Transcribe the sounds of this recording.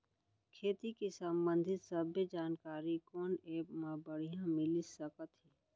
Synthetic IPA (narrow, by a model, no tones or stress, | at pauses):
kʰeːt̪ikisəmbə̃nd̪ʱɪt̪səbed͡ʒaːnkaːɾikoːneːpmãbəɽ̤ijãmɪlisəkət̪ɦɛː